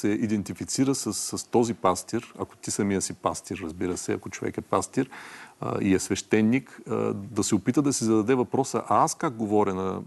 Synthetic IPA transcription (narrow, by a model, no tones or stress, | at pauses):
sɛʔid̪ɛnt̪ifit̪siɾəsəsːɐst̪ɔzipast̪iɾɐ̰ko̥t̪isɐmijəsipast̪iɾːɐzbiɾəsɛɐ̰kot͡ʃovɛ̰kɛpast̪iɾ̰ | ḭɛsvɛʃt̪ɛnːikd̪ɐsɛʊpit̪əd̪ɐsizɐd̪ɐd̪ɛvɐpɾɔsə̰ʔaaskak̚ɡovɔɾʲɐnɐ